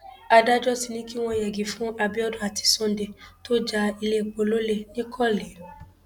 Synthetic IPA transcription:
a˧da˦d͡ʒɔ˦si˧nĩ˦ki˦w̃ɔ̃˧˨jɛ˨ɡi˨fũ˦ʔa˧bi˦ɔ˦dũ˦˨a˨ti̥˧sɔ̃˦n˦de˧to˦d͡ʒa˧i˧le˦˨k͡po˧˨lo˦le˦nĩ˦kʰɔ˦˨le˨˦

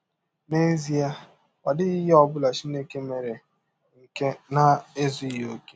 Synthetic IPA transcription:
me˦zi˦a˦ | wa˨dɪ˦ɪ˦je˦ɔ˦bʊ˦la˨t͡ʃi˦ne˦ke˦me˨ɾe˨ | ŋ̩˨ke˦na˦e˦zu˦jo˨˦ke̥˦

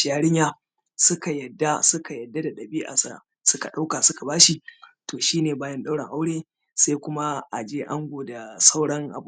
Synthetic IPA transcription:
jaː˦ɽɪ˦ɲjaː˦ | sʊ˦ka˨jɐ˨dːa˦sʊ˦ka˨jɐ˨dːa˦da˨ɗɐ˨biː˦ʔa̰˨sa̰˦˨ | sʊ˦ka˨ɗa˦wka˨sʊ˦ka˨baː˦ʃi˨toː˨ʃiː˦neː˨baː˦jɐ˦nɗa˦wɽɐ˨ŋʔa˦wɽeː˦ | sa˦jkʷʊ˦ma˦ʔa˨d͡ʒeː˦ʔa˦ŋɡʷoː˨da˨sa˦wɽɐ˦ŋʔa̰˨bu˨

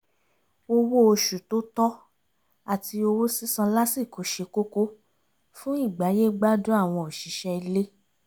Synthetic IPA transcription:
o˧wo˦o˧ʃu˨to˦tɔ˦ | a˦˨ti˧o˧wo˦si˦sã˧la˦si˦˨ko˨˦ʃe˧ko˦ko˦ | fũ˦i˦˨ɡ͡ba˨˦je˦ɡ͡ba˦dũ˦a˦˨w̃ɔ̃˧ɔ˨ʃi˨˦ʃɛ˧i˧le˦

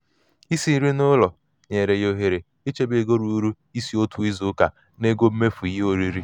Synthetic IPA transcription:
i˦si˦ɾi˦nʊ˦lɔ˨ | ɲe˨ɾe˨jo˦ɦe˨ɾe˨ | i˦t͡ʃe˦be˨ɡo˦ɾu˨˦ɾu˦ | i˦si˨o˦tʰu˨i˦zu˨˦ka˨ | ne˦ɡo˦m̩˦me˦fu˨i˨ji˦o˨ɾi˦ɾi˦

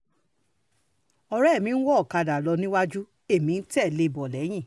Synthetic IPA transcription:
ɔ˧ɾɛ˦˨mĩ˨˧n̩˦wɔ˦ɔ˦˨ka˧da˨lɔ˧nĩ˦wa˦d͡ʒu˦ | e˦˨mĩ˨˦n̩˦tɛ˦˨le˧˦˨bɔ˨lɛ˨˦j̃ĩ˦˨

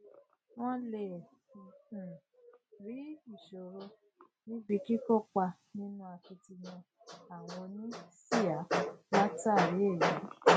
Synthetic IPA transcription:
w̃ɔ̃˦le˨ | ɾi˨˦i˦˨ʃo˨ɾo˧˦ | nĩ˦bi˧ki˦ko˦k͡pa˧ | nĩ˦nũ˦a˧ki˧ti˧nã˧ | a˨w̃ɔ̃˧nĩ˦si˦˨a˨˦wa˦ta˦˨ɾi˨˦e˦˨ji˨˦

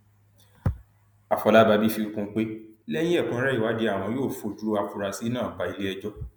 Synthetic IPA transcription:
a˨fɔ˨˧la˦ba˧bi˦fi˧u˦kũ˧˦k͡pe˦lɛ˦j̃ĩ˦ɛ˦˨kũ˦ɾɛ˦i˦˨wa˨˦di˧˦a˦˨w̃ɔ̃˧˦joː˦˨fo˧˦du˦u˦a˧fu˧ɾa˧si˨˦nãː˦˨ba˨i˨˧le˦ɛ˧d͡ʒɔ˦

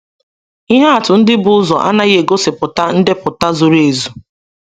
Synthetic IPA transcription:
i˦ɦa˦a˨tʊ˨n̩˦dɪ˦bʊ˨˦ʊ˦zɔ˨ʔa̰˦na˦ɣe˨ɡo˦sɪ˨pʊ˨ta˦n̩˦dɪ˦pʊ˨ta˦zʊ˨ɾe˨zu˨

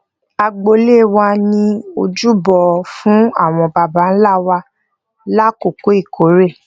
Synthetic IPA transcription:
a˧ɡ͡bo˧le˦˨wa˧nĩ˧o˧d͡ʒu˦bɔ˧˨fũ˦a˦˨w̃ɔ̃˧ba˨ba˨˦n̩˦la˦˨wa˧ | la˦ko˦˨ko˨˦i˦˨ko˨˦ɾe˦˨

